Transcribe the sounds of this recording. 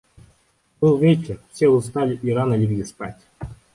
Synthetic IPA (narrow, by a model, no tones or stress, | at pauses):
bɨlˠvʲet͡ɕʲɪrfsʲeʊst̪alʲɪʔiɾanəlʲibʲɡʲɪspa̰tʲ